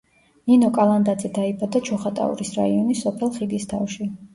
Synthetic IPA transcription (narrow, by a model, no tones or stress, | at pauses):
ninɔkʼalˠand̪ad̪zɛd̪aibad̪at͡ʃʰɔχat̪ʼa̰ṵɾisɾa̰iɔnisɔpʰɛlˠχiɡ̪ist̪ʰa̰fʃi